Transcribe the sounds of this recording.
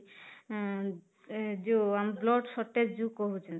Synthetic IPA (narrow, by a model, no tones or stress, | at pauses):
d͡ʒoamblɔʈsɔʈːed͡ʒukoɦut͡ʃʰɛn